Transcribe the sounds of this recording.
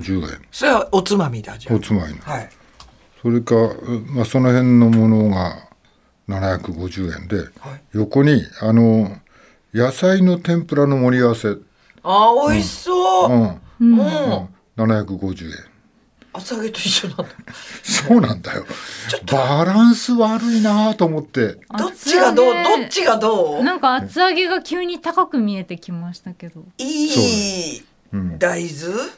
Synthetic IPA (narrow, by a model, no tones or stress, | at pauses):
d͡ʑɨːḛ̃ŋsoɾeot͡sɨmamʲid̪eot͡sɨmamʲinaai | so̞ɾe̞kamaso̞no̞hẽ̞nːo̞mo̞noɡa | nanaçakɯ̟ɡo̞ʑɨːẽ̞̰nd̪e̞̰haijo̞ko̞ɲ̟iano | jasaino̞t̪ẽ̞mpɯ̟ɾano̞mo̞ɾʲiaβase̞ | aoisoːɯ̃ː | nanaçakɯ̟ɡo̞ʑɨ̰ːḛ̃ŋ | at͡sɨaɡe̞t̪oiɕːonanosoːnãnd̪a̰jo̞̰t͡ɕot̪ːbaɾãɰ̃sɨβaɾɯ̟inaːt̪oːmo̞t̪ːe̞doiɡad̪oːd̪ot͡ɕiɡad̪oːnãŋkaːt͡sɨaɡe̞ɡakʲʰɨːɲ̟it̪akakɯ̟mʲie̞t̪e̞kʲimaɕi̥t̪ake̞d̪o̞iːso | ɯ̃d̪aizɨ